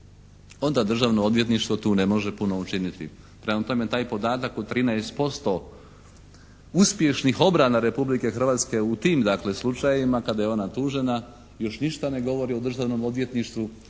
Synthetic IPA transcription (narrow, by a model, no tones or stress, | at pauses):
o̞nd̪ad̪r̩ʒaʋno̞o̞d̪ʋje̞t̪niʃt̪ʋo̞t̪uːne̞mo̞ʒepuno̞ut͡ʃinit̪ḭ | pɾemat̪o̞met̪aːjpo̞d̪aːt̪akut̪ɾinɛest̪po̞st̪o̞ | uspje̞ʃnixo̞bɾanaɾe̞publike̞xr̩ʋaːt̪ske̞ut̪iːmd̪akle̞slˠut͡ʃajimakad̪ajeo̞nat̪uːʒe̞na | jo̞ʃniʃt̪ane̞ɡo̞ʋo̞ɾio̞d̪r̩ʒaʋno̞mo̞d̪ʋje̞t̪niʃt̪ʋu